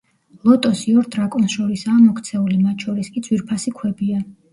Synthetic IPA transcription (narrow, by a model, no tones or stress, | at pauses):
lˠɔt̪ʼɔsiɔɾd̪ʼɾakʼɔnsʃɔɾisaːmɔkʰt̪sʰɛulimat̪ʰʼʃʰɔɾiskʼid̪zʰwiɾpʰasikʰwɛbia